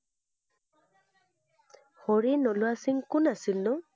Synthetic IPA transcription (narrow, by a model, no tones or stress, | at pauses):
hɔɾinɔluasiŋkʊnasilnɔ